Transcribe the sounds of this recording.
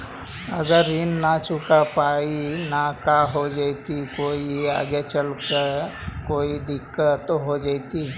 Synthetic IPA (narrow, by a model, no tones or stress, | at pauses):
ɐɡəɾːiːnːat͡ʃʊkapaːinakaɦod͡ʒat̪ikoːia̰ːɡet͡ʃəlkəkoːid̪ɪkːət̪oɦod͡ʒaːit̪i